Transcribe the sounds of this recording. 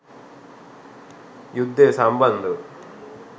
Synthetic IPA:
jud̪ʱːesambɐnd̪u

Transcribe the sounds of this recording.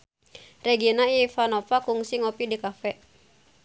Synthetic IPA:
rɛɡienaifanofakuŋsiŋɔpidikafɛʔ

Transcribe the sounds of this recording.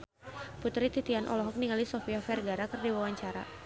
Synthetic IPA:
put̪ɾit̪it̪ianʔɔ̰lɔɦɔk̚niŋalisɔfiafɛrɡaɾakərdiwawaɲt͡ʃaɾa̰

